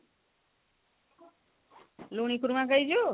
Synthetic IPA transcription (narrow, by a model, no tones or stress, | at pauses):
luːɳ̃ĩkuɾmãkəid͡ʒo